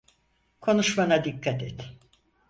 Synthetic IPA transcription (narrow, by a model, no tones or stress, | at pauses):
kʰo̞nuʃmanad̪ikːat̪ʰɛt̪